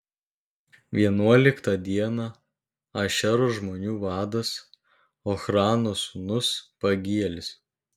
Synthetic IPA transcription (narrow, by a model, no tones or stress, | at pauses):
ʋʲiɛnuɔlʲɪkt̪ɐd̪ʲiɛnɑ | ɐʃʲɛɾʊʒmoːnʲuːʋɑːd̪ɐs | oːxɾɑːnosʊnʊspɐɡʲiɛlʲɪs